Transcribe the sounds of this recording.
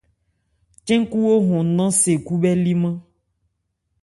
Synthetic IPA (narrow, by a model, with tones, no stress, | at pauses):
t͡ʃɛ̃˦ŋ˦ku˦wo˦ɦɔ̃˨nã˦se˨ku˦bɛ˦li˦mã˦